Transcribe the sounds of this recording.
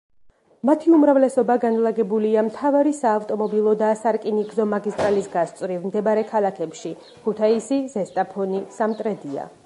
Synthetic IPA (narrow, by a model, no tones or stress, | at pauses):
mat̪ʰiumɾavlɛsɔbaɡanlˠaɡɛbuliamt̪ʰavaɾisaːvt̪ʼɔmɔbilˠɔd̪asaɾkʼiniɡzɔmaɡist̪ʼɾalisɡast̪sʼɾivmd̪ɛbaɾɛkʰalˠakʰɛpʃi | kʰut̪ʰaisizɛst̪ʼapʰɔnisamt̪ʼɾɛd̪ia̰